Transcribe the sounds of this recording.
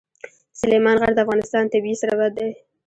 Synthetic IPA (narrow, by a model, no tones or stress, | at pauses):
sʊlemɑnɣaɾd̪əafɣɑnɪst̪ɑnt̪abiisaɾabad̪aj